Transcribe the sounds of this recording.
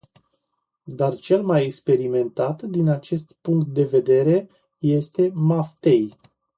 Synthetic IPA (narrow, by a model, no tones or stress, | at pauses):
d̪art͡ʃe̞lmajekspe̞ɾime̞nt̪at̪d̪inat͡ʃe̞st̪puŋkt̪̚d̪e̞ve̞d̪e̞ɾe̞ | je̞st̪e̞maft̪e̞j